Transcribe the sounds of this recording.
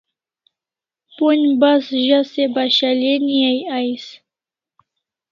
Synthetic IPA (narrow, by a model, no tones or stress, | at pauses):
ponʲbasʒasebaʃalʲenijajajs